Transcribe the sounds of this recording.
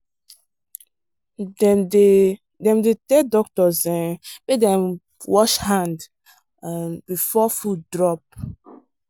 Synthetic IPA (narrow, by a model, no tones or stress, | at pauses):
dɛde | dɛ̃mdetɛdɔk̚tɔzɛ̃pedɛ̃m | wɔʃhãnd | bifɔfuddɹɔp̚